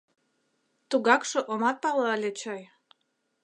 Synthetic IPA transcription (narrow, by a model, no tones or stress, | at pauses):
t̪uɣɑkʃɤ̆ʔomɑt̪̚pɑlɑlʲet͡ɕɑj